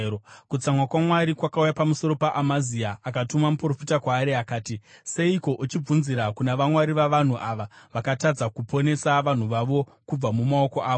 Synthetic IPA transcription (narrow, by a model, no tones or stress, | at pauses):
kut͡samwakwamwaɾikwakaujapamuso̞ɾo̞paʔamaziaʔakatumamupro̞fitakwaːɾeakaːtise̞iko̞ʔut͡ʃib͡vunziɾakunaʋamwaɾiʋaʋan̤uʔaʋaʋakatad͡zakupʰo̞ne̞saʋan̤uʋaʋo̞kub͡vamumao̞ko̞ʔaːʋo